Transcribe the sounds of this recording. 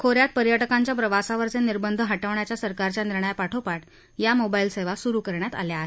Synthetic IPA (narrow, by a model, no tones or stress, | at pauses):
kʰoɾjat̪̚pəɾjəʈəkãɲt͡ɕjapɾəʋasaʋəɾt͡seniɾbənd̪ʱəɦaʈəʋɳjat͡ɕjasəɾkaɾt͡ɕjaniɾɳəjapaʈʰopaʈ | jamobailseʋasuɾuːkəɾɳjat̪a̰ljaːɦe